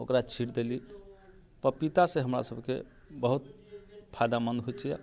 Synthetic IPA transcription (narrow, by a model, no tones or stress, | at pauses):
okɾat͡ʃʰiʈd̪eli | pəpit̪asẽɦəmɾa̰səbkḛ | bəɦut̪̚ | pʰajd̪amənd̪ɦojt͡ʃʰija̰